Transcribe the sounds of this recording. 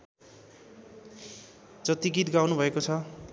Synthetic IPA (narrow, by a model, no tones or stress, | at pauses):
d͡zʌt̪iɡit̪ɡawnubʱʌekot͡sʰʌ